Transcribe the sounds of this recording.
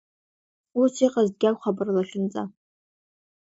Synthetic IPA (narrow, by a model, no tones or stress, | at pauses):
usiqʼazd̚ɡʲakʷχabɨrlaʃɪnt͡sʼa